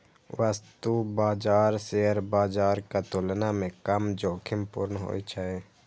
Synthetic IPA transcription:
ʋəst̪ubaːd͡ʒaːɾseɦəɾbaːd͡ʒaːɾkat̪ʊlnamẽkəmd͡ʒoːkʰɪmpʊɾnɦo̰ːit͡ʃʰae

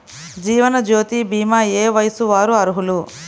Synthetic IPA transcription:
d͡ʒiːʋɐnɐd͡ʒoːt̪ibiːmaːeːʋɐjɐsuʋaːɾuɐɾuɦulu

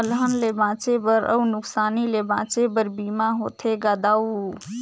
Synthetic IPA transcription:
əlɦənlebãt͡ʃebəɾə̰wnuksanilebãt͡ʃebəɾbimaɦot̪ʰeɡad̪awu

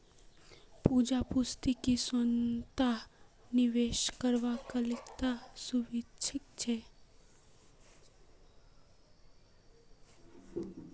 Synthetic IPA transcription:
pud͡ʒapʊst̪ikisənt̪aɦ | nɪʋeʃkəɾʋakalɪkt̪asuʋɪt͡ʃʰɪkt͡ʃʰe

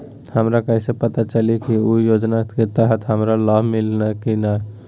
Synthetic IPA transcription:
həmɾakəisepət̪at͡ʃəlikiujod͡ʒnaket̪əɦət̪ɦəmɾalabʱmilnakina

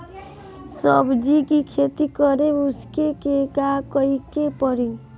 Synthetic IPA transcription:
sɔbd͡ʒikikʰet̪ikɔɾeʊskekekakəikepɔɾi

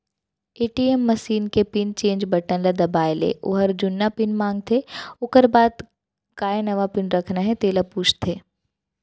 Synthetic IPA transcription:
eːʈiemːɐsiːnkepɪnt͡ʃẽːɲd͡ʒbɐʈə̃nlad̪ɐbaːɪlḛʔʊ̰ɦəɾd͡ʒʊnːapɪnmãːŋɡ̚t̪ʰeʊkəɾbaːd̪ | kaːenɐʋapɪnɾɐkʰnaɦɛ̃t̪eːlapuːt͡ʃʰt̪ʰeː

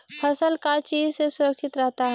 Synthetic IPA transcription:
pʰɐsəlkat͡ʃiːzsesʊɾəkʃɪt̪ɾɛɦt̪aɦɛ

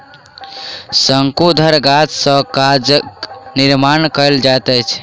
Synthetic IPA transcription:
səŋkud̪ʱəɾɡat̪sə̃kad͡ʒniɾmankəld͡ʒat̪ɛt͡ʃʰ

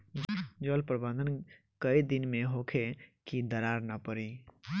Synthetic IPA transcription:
d͡ʒɔlpɾəbə̃nd̪ən | kəid̪ɪnmẽɦoːkʰekid̪əɾaːɾnəpəɾiː

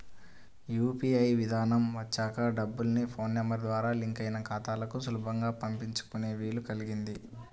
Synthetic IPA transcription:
juːpiːɐjʋid̪ʱaːnɐmʋɐt͡ʃːaːkɐɖɐbːulnipʰo̞ːnːɐmɐɾd̪ʋaːɾaːliŋkɐjnɐkʰaːt̪aːlɐkusulubʱɐŋɡaːpɐmpiɲt͡ʃu̥kune̞ːʋiːlukɐliɡind̪i

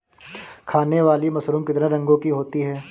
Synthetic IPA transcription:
kʰaːneʋaːlimɐsɾuːmkɪt̪ɾẽɾɐ̃ŋɡõkiɦoːt̪iɦɛː

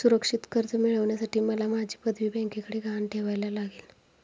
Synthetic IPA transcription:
suɾəkʂit̪kəɾt͡səmiɭəʋɳjasaʈiːməlamad͡ʑʱiːpəd̪ʱʋiːbɛ̃ŋkekəɽeːɡanʈʰeʋajlalaɡiːl

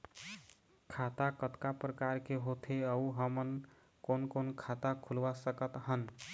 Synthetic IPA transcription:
kʰat̪akət̪kapɾəkaɾkeɦot̪ʰeəuɦəmən | konkonkʰat̪akʰulʋasəkət̪ɦən

